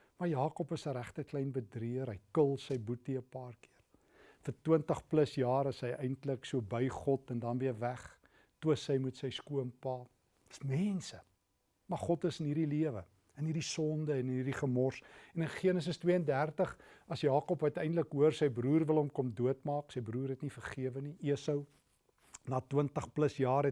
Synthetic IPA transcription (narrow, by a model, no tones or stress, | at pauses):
mɐrjɑːkɔpəsəɾæχtəklɛjnbədriəɾɦəjkəlˠsəjbutiəpɑːrkiər | fərtiəntəχpləsjɑːɾəsɦəjɛjntləksuəbəjχɔtɛndɐnviəvæχ | tuəsəjmutsəjskuəmpɑː | ə̥smɛnsə | mɐrχɔtəsənɦiɾiliəvə̰ | ənɦirdisɔndəɛnənɦirdiχəmɔrsɛnənχiənəs̬əstwiəəndærtəχɐsjɑːkɔpɦɐtəjndləkɦuərsəjbɾuːrvəlˠɦɔmkɔmduətmɑːksəjbɾuːrɦɛtnifərχiəvəniʔiəsəw | nɑːtwəntəχpləsjɑːrɛ